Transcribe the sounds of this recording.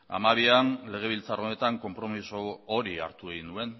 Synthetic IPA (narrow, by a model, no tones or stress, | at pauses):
a̰maβ̞ianle̞ɣ̞e̞β̞ilt͡saro̞ne̞t̪aŋko̞mpɾo̞misooɾia̰ɾt̪ueɣinue̞n